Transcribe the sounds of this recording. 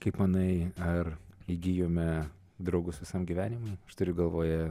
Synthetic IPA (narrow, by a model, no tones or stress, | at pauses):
kɐɪpmɐnɐɪɐriɡʲijoːmʲɛ | d̪ɾɐʊɡʊsʋʲɪsɐmɡʲiʋʲæːnʲɪmɐɪmɐʃt̪ʊɾʲʊɡɐlˠʋoːjɛ